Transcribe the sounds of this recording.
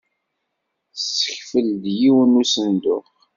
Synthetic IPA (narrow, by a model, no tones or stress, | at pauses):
sːə̥çfəld̪jiwənusənd̪ʊχ